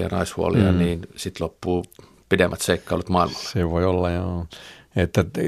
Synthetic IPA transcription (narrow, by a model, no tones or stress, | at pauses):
ɑ̰nɑishuolḭɑ̰niːnsit̪lopːuː | pidemːʔæt̪seikːɑˑolut̪mɑˑilmɑlːseʋoiolːɑjo | et̪ːæ